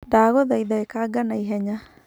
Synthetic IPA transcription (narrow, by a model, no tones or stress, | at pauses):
daːɣɔðaiðaekaɡanaiɦɛɲa